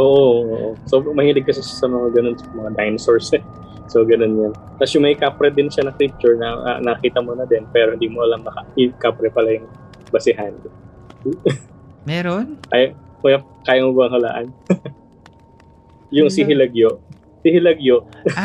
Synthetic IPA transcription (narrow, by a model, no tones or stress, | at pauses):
ʔo̞ːʔooːʔosobɐŋmɐhiːlɪɡ̚kɐsɛʃḁsɐmɐŋaɡɐno̞nsɐmɐŋad̪ajnsoɹsɛ | so̞ɡɐno̞njɐn | t̪asjʊŋmɐɪkapɾɛd̪ɪnʃanɐk̪ip̚t͡ʃʊɹnɐ̰nɐkiːt̪ɐmonɐd̪ɛnpɛːɾhɪnd̪iːmoʔɐlɐŋmɐkɐɪkapɾɛpɐlajʊŋ | bɐsɪɦan | mɛɾonkaːjɐ | ɐja | kaːjɐmobɐŋhɐla̰ːʔɐ̰n | jʊŋsɪɦɪlɐɡjoʔ | sɪhɪlɐɡjo